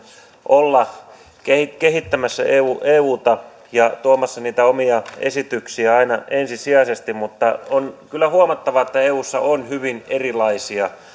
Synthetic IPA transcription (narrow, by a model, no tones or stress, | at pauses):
ʔolːɑ | kehikehit̪ːæmæsːæ̰ʔeuːʔeːuːt̪ɑ | jɑt̪uomɑsːɑniːt̪æomiɑḛsit̪yksiæɑinɑensisiɑsest̪immut̪ːɑonkylːˑæhuomɑt̪ːɑʋɑet̪ːæeːuːsːɑ̰ʔonhyʋinerilɑisiɑ